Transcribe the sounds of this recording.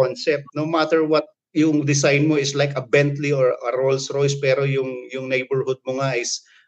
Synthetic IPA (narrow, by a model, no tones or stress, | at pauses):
onsɛp̚t̪̚nowmat̪ɛɹwɐt̪̚ | jʊŋd̪ɪsajnmoɪslajkɐbɛnt̪lioɹɐɾolsɹojspɛːɾojʊŋjʊŋnejbɛɹhʊd̪̚mʊŋaʔɪs